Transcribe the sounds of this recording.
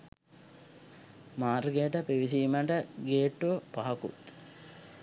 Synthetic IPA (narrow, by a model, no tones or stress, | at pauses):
maːɾɡejəʈəpiʋisiːməʈəɡeːʈːuʋəpaɦɐkṵt̪